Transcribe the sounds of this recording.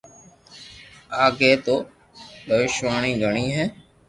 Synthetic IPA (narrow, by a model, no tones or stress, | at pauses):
aːɡeːt̪oː | bəʋɪʃʋaːɳĩːɡəɳ̃iːɦɛː